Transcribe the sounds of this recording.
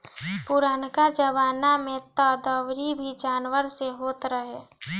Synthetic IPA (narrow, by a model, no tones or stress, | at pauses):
pʊɾaːnkad͡ʒəʋaːnamẽt̪əd̪əʋɾibʱid͡ʒaːnʋəɾseɦoːt̪ɾəɦeː